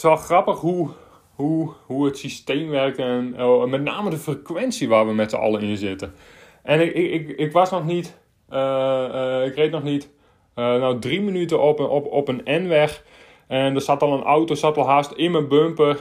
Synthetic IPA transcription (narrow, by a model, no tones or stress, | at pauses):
sʋɔlˠxrapəxhu | huhuətsisteːmʋɛrk̚ɛnmɛtnaːmədəfrəkʋɛnsiʋaːʋəmɛtsə̰ɔ̰lˠəɪnzɪtə | ʔɛnɪɪkɪkʋasnɔxnit | ə | ɪkrejtnɔxnit | ənowdrimənytəɔpɔpənɛnʋɛx | ɛndərsatɔlˠənʔawtosatɔlˠɦaːstɪnmənbømpə